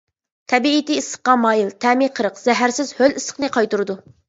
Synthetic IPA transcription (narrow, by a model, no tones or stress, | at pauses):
t̪ʰɛbiːt̪iːsə̥χqqɑmɑːjilˠt̪ʰɛmiqʰəɾəqz̥ɛɦæɾsɪzhølisə̥qnɨqʰɑjt̪uɾɨd̪u